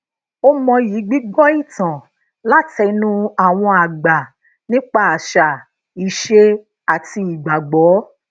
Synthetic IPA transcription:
o˦mɔ̃˧ji˨˦ɡ͡bi˦ɡɔ˦i˦˨tã˨ | la˦tʰɛ˧nũ˦a˨w̃ɔ̃˧a˨ɡ͡ba˨ | nĩ˦k͡pa˦a˨ʃa˨ | i˨ʃe˧ | a˨ti˧i˨ɡ͡ba˨ɡ͡bɔː˨˦

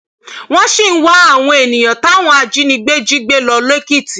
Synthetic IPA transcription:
w̃ɔ̃˦ʃi˦˨n̩˦wa˦a˦˨w̃ɔ̃˧e˨nĩ˨j̃ã˨ta˨˦˨w̃ɔ̃˧a˧d͡ʒi˨˦nĩ˧ɡ͡be˦d͡ʒi˦ɡ͡be˦lɔ˧le˦ki˦˨ti˨

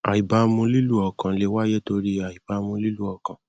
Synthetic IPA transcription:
a˨i˨ba˧mũ˧˦li˦lu˦ɔ˨kã˨˦le˦wa˦jɛ˦to˧ɾi˦a˨i˨ba˨˧mũ˧˦li˦lu˦ɔ˨kã˨

